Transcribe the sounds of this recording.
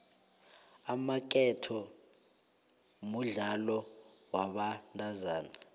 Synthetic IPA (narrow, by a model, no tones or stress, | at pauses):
amak̬ʼɛtʰɔ | muɮalɔwaɓantʼazaːna